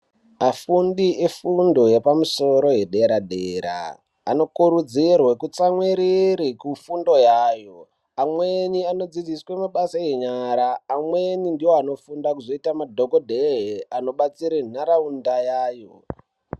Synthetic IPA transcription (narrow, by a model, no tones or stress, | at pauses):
afundiefundo̞jepamuso̞ɾo̞ɦe̞ɗe̞ɾaɗeːɾa̰ː | no̞kuɾud͡zirwekut͡samwiɾiɾikufundo̞jaːjo̞ | amweniano̞d͡zid͡ziswe̞maɓasaje̞ɲaɾaːmwe̞nindiwoano̞fundakuzo̞itamadʱokodʱeɦeano̞ɓat͡siɾen̤aɾaundajaːjo̞